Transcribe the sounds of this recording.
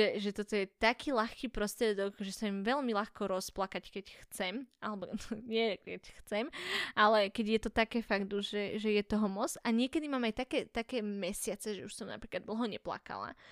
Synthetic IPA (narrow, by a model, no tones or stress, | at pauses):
ʒɛʒɛt̪ɔt̪ɔjɛt̪akiːlaxkiːpɾɔst̪ɾɪɛd̪ɔɡʒɛsajimʋɛʎmilaxkɔɾɔsplakackɛcxt͡sɛmalɛbɔɲɪɛkɛcxt͡sɛmalɛkɛɟjɛt̪ɔt̪akɛːfaɡd̪uʒɛʒɛjɛt̪ɔɦɔmɔt͡saɲɪɛkɛd̪imaːmajt̪akɛːt̪akɛːmɛsɪat͡sɛʒɛuʃsɔmna̰pɾiːklad̪l̩ˠɦɔɲɛpla̰ka̰la̰